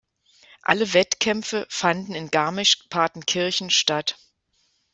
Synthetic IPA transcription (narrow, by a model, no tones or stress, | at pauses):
ʔa̰ləvɛtkʰɛmfəfandn̩ɪnɡaɐmɪʃpʰaɐtn̩kʰɪɐçn̩ʃtat